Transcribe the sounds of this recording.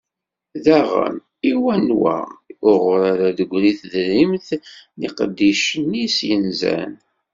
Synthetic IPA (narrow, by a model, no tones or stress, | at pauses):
ðæʁə̰m | iwænwæ̰ʊʁɾaɾaðəɡʷɾiθðəɾimθniqəd̪ːiʃənːisjənzæ̰n